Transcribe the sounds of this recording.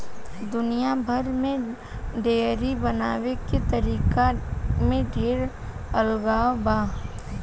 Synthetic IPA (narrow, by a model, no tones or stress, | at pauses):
d̪ʊnijabʱəɾmẽ | ɖeːɾibənaːweket̪əɾiːkamẽɖʱeːɾ | əlɡaːwbaː